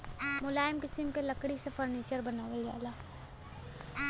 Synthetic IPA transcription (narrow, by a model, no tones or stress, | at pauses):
mʊlaːɪmkɪsɪmkelɐkɽisefʰəɾniːt͡ʃəɾbɐnaːʋelɡa̰ːlaː